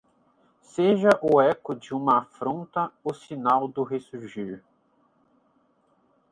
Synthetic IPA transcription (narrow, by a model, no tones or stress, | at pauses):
seʒɐʔʊɛkʊd͡ʒɪũmɐafɾõnt̪ɐʊsinawd̪ʊɦesuɾʒiɾ